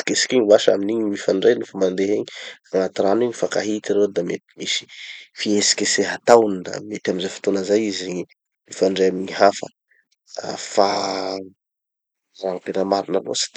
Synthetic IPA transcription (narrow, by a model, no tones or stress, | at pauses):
i̥kesi̥kʲiɲwaʃa̰miniɲimifaɳɖ͡ʐejnufamand̪eɦeɲiaŋat̪iɾaniɲifakaɦit̪iɾewd̪amet̪i̥misi̥fiesi̥kʲeseɦat̪awund̪a̰met̪aminzajfu̥t̪onəzajizi | mifaɳɖ͡ʐejamiɲiɦafə̰ | fa | raŋipenamaɾinalo̰si̥t̪